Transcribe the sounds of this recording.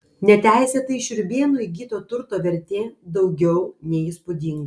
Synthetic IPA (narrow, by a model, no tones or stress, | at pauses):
nʲɛt̪ʲæˑɪsʲeːt̪ɐɪʃʲʊɾʲbʲiɛnuɪɡʲiːt̪oːt̪ʊɾt̪oːʋʲɛɾʲt̪ʲeːd̪ɐʊɡʲɛʊnʲɛiːspʊd̪ʲɪŋɡɐ